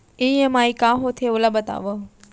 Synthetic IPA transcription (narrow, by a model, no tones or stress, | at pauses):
ĩə̃maːikaːɦot̪ʰeʊləbət̪a̰ːʋo